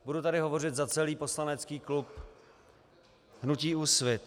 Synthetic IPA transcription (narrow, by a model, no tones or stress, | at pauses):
budut̪adɪɦovo̞rɪt̪zat͡sɛliːpo̞slanɛt͡skiːklup | ɦnuciːusvɪt̪